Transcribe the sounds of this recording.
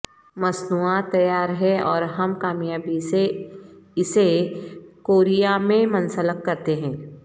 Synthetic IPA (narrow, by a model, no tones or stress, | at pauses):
mɐsnuãt̪ɐjaːɾɦɛɔːɾɦɐmkaːmjaːbise | ɪse | koːɾijamẽmɐnsələkːɐɾt̪eɦɛ̃ː